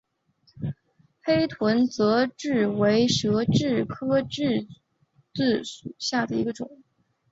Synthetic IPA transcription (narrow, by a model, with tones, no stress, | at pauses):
xe˥ɪt̪ʰwə˧˥nt͡sɤ˧˥ʈ͡ʂɻ̩˥˩we˧˥ɪʂɤ˧˥ʈ͡ʂɻ̩˥˩kʰɤ˥ʈ͡ʂɻ̩˥˧ | t͡sɹ̩˥˩ʂu˨˩ɕja˥˩d̪ə˩i˧˥ɡə˧ʈ͡ʂʊ˨˩˦ŋ